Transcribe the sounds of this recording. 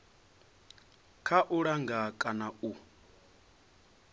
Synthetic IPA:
kʰaʔuɺaŋɡakʼanau

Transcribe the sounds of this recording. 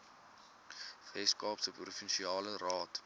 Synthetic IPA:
vɛskɑːpsəprufənʃiɑːlərɑːt

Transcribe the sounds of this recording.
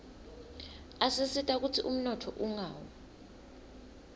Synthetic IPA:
asisitʼak̬utʰiʔum̩nɔtʰɔ̰ʔuŋaːwɔ

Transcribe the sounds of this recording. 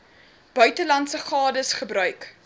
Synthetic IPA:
b̥œɥtəlɐntsəχɑːdəsχəbrœɥk

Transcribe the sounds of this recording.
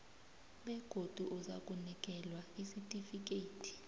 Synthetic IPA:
ɓɛɡ̥ʱod̥ʱuʔuza̰kʼunik̬ʼɛlwaisitʼifik̬ʼeːtʰʼi̥

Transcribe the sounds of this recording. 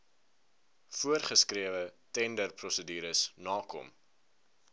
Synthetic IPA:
fuərχəskriəvətɛndərprɔsədyːɾəsnɑːkɔ̰m

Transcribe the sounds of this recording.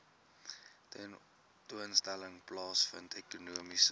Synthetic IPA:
tɛn | tuənstæləŋplɑːsfə̰ntʰekunuəmis

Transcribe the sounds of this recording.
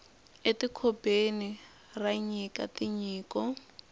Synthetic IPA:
etikʰɔbeni | raɲikatiɲiːkɔ

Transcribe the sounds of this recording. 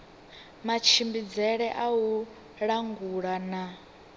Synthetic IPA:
mat͡ʃʰimbid͡zɛɺɛʔau | ɺaŋɡuɺana

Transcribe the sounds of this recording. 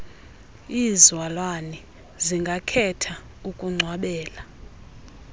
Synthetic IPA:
izwalwani | ziŋɡʱakʰɛtʰa | ukʼuŋ͡ǀʱwaɓɛːla

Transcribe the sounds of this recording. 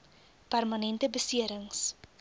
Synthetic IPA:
pærmɐnɛntəbəsiəɾəŋs

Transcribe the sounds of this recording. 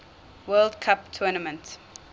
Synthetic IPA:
wɜːldkʰaptʰuːnəmə̃nt

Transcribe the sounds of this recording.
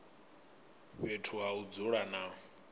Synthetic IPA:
βetʰuɦaud͡zuɺana

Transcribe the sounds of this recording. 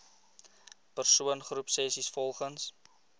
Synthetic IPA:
pərsuənχrupsɛsisfɔlˠχəns

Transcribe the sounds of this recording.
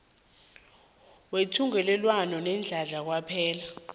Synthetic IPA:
wetʰuŋɛlɛlwanɔnɛnd͡ɮʱaɮak̬wapʰɛːla

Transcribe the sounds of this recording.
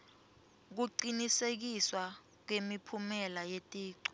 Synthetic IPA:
k̬uǀinisek̬iswa | k̬wemipʰumɛlajetʼiːǀɔ̥

